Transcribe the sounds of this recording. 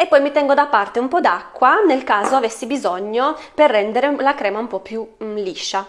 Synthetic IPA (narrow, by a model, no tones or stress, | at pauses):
epːɔjmit̪ɛŋɡod̪apːart̪eumpɔd̪akːwanelkaːzoavesːibizɔɲːoperːɛnd̪eɾelakɾɛːmaumpɔpːjuliʃːa